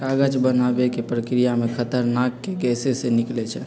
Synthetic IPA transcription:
aɡət͡ʃbənabekepɾəkɾijamekʰət̪əɾnakːeɡɛseseniklɛt͡ʃʰɛ

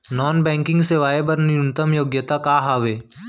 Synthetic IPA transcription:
nɔːnbɛ̃ːŋkɪ̃ŋɡseʋaːebɐɾnɪʊnt̪əmjoːɡjət̪akaːɦaːʋeː

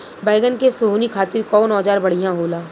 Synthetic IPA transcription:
baːɪɡənkesʊɦunikʰaːt̪ɪɾkɔːnɔːd͡ʒaːɾbɐɽ̤ijãɦoːlaː

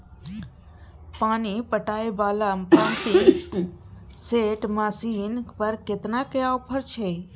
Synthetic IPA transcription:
paːnipəʈaːebaːlapãːmpiʈ | seːʈmaːsiːnpəɾkɪt̪nakjaːopʰəɾt͡ʃʰeː

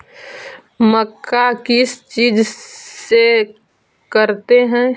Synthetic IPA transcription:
məkʰːakɪst͡ʃiːd͡ʒse | kəɾt̪eɦɛ̃

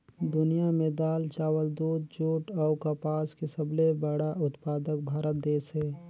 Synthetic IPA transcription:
d̪ʊnijamẽd̪aːlt͡ʃaːwəld̪uːd̪̚d͡ʒoːʈɔːkapaːskesəblebəɽaʊt̪paːd̪ək̚bʱaːɾət̪̚d̪eːsɦɛː

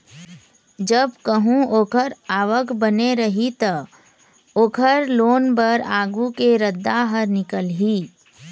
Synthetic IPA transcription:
d͡ʒəbkəɦũoːkʰəɾaːʋəkbəneɾɐɦit̪ɐ | oːkʰəɾloːnbəɾaːɡukeɾəd̪ːaɦəɾnɪkəlɦiː

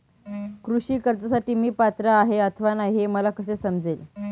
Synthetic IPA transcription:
kɾuɕiːkəɾt̪asaʈiːmiːpat̪ɾəːɦeət̪ʰəʋanaɦieməlakəsesəmd͡zel

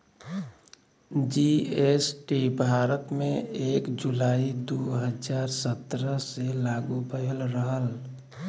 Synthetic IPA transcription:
d͡ʒiesʈibʱaːɾət̪mẽeːkd͡ʒulaːid̪uɦəd͡ʒaːɾsət̪ɾəselaːɡubəɦəlɾəɦəl

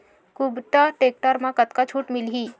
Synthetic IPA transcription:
kubt̪aʈeːk̚ʈəɾmãkət̪kat͡ʃʰuːʈmɪlɦiː

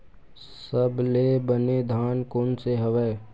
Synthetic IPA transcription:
səbleːbəned̪ʱaːnkoːnseɦəʋɛː

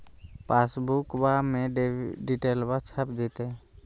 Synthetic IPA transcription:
paːsbukbamẽɖɖiʈeːlbat͡ʃʰəpd͡ʒiːt̪e

